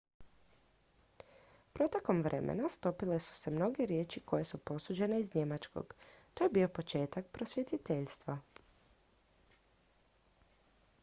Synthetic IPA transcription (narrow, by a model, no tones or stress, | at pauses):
pɾo̞t̪e̞ko̞mʋɾʔe̞̰mʔḛnast̪o̞pile̞su̥se̞mno̞ɡe̞ɾje̞ːt͡ʃiko̞je̞supo̞sud͡ʑe̞ne̞izɲe̞mat͡ʃko̞̰ɡt̪ojebio̞po̞t͡ʃe̞ːt̪ak̚pɾo̞sʋje̞t̪it̪eʎst̪ʋa